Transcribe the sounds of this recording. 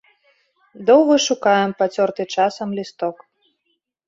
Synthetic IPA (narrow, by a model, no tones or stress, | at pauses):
d̪ɔwɣɐʂukajɛmpat͡sʲɔrt̪ɨt͡ʂasɐmlʲist̪ɔk